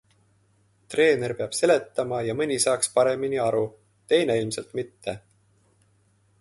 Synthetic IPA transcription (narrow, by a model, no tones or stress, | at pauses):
t̪re̞ːne̞rpeɑb̥se̞le̞t̪ːɑmɑjɑmɤnʲisɑːkspɑɾe̞miniɑɾu | t̪e̞jne̞ilmse̞lt̪mit̪ːe̞